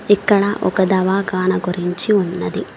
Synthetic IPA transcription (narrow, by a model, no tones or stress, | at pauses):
ikːɐɭɐʔɔ̰kɐd̪aʋaːɡaːnɐɡoɾiɲt͡ʃiunːɐd̪i